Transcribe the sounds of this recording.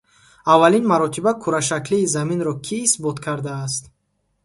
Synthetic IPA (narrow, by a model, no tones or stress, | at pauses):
avːalinmaɾɔt̪ʰibakʰuɾaʃ̬akliːzaminɾɔkʰiːsbɔt̪kʰaɾd̪aːs̬t̪